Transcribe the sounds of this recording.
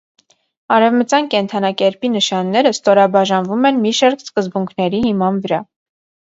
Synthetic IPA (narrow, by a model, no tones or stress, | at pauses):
ɑɾɛvmət͡sjɑnkɛnt̪ʰɑnɑkɛɾpinəʃɑnːɛɾəst̪ɔɾɑbɑʒɑnvumɛnmiʃɑɾkskəzbuŋkʰnɛɾihimɑnvəɾɑ